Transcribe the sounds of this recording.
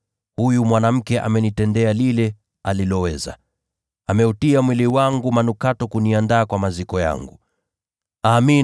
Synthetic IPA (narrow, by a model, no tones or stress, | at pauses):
hujumwanam̩kɛʔa̰mɛnitɛndɛalilɛ | alilɔwɛza̰ | amɛutiamwiliwaŋɡumanukatɔkuniandaːkwamazikɔja̰ŋɡu | aːmi